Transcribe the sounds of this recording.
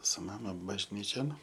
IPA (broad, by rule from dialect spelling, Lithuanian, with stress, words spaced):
sʊ ˈmɑːmɐ bɐʒʲˈnʲiːt͡ʃʲoːn